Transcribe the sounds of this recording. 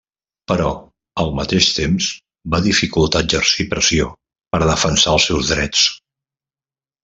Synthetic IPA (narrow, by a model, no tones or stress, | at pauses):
pəɾɔ | əlˠmət̪eʃt̪emz | baðifikulˠt̪ad͡ʒərsipɾəsio | pəɾðəfənsaəlˠsɛwzðɾɛt͡s